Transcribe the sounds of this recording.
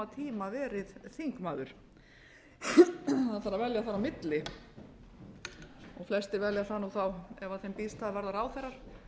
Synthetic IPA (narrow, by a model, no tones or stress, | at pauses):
at̪ʰiːmavɛːɾɪðθiŋkmaːðʏɾ̥ | aðθaɾːavɛljaθaɾːamɪt̪lɪ | ɔɣflɛst̪ɪɾvɛljaθanuθawɛvaθejmpist̪aðvɛɾðaɾaːwθɛrːaɾ̥